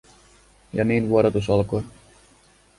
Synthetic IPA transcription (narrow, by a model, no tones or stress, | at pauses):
jɑ̰niːnʋuoɾot̪usɑlkoj